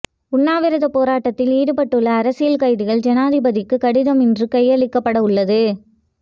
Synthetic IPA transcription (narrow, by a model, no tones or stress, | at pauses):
ʊɳːaːʋɪɾɐðɐpːoːɾaːʈːɐt̪ːɪliːɽɯpɐʈːɯɭːɐːɾɐsɪjɐlkɐɪðɯɣɐɭd͡ʒɛnaːðɪbɐðɪkːɯkɐɽɪðɐmɪndrɯkɐjɐɭɪkːɐpːɐɽɐʊɭːɐðɯ